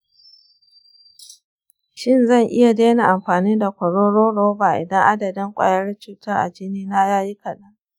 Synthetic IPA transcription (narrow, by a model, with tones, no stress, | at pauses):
ʃɪ˦˨nzɐ˦˨ŋʔɪ˦ja˨deː˦na˨ʔa˨mɸaː˨niː˦da˨kʷɐ˨ɽoː˦ɽoː˦ɽoː˦baː˨ʔɪ̰˨dɐ˦ŋʔa˦dɐ˨dɪ˦ŋkʷʼa̰ː˨jɐ˦ɽt͡ʃuː˨tɐ˦rʔa̰˨d͡ʒɪ˦niː˦na˦jaː˦ji˦kɐ˨ɗɐ˦ŋ